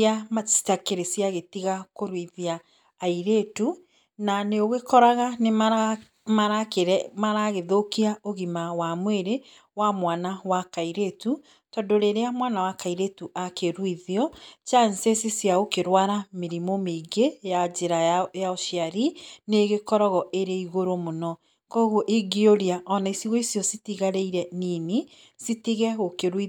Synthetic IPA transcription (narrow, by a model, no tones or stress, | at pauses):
aasi̥takeɾesiaɣetiɣakoɾwiðiaː | iɾetu | naneoɣekɔɾaɣane | maɾakeɾmaɾaɣeðokiaoɣimawamweɾe | wamwanawakaiɾetu | tɔndoɾeɾeamwanawakaiɾetuʔakeɾwiðiɔt͡ʃansesisjaɣokeɾwaɾameɾimomeɡejad͡ʒeɾajaoʃjaɾineɣekɔɾɔɣɔʔeɾeiɣoɾomonɔ | kɔɣoʔiɡioɾiaʔɔnaisiɣoisjɔsitiɣaɾeiɾɛnine | sitiɣɛɣokeɾwi